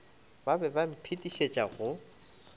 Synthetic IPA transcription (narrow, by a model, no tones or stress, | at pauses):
babɛbam̩pʰitʼiʃet͡ʃʼaɣʊ